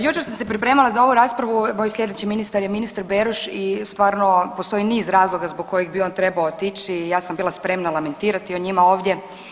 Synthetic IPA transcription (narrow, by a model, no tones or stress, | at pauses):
jut͡ʃeɾsamse̞pɾipɾe̞ːmalˠazao̞ʋuɾaːspɾaʋumoːjslʲʎʲe̞d̪et͡ɕiminist̪aɾjeminist̪aɾbeɾuʃist̪ʋaːɾno̞po̞st̪o̞iniːzɾaːzlˠo̞ɡazboɡ̚ko̞jeɡbio̞ːnt̪ɾe̞baot̪it͡ʃijaːsambiːlˠaspɾe̞mnalˠame̞nt̪iːɾat̪ioɲimao̞ːʋd̪ʲje̞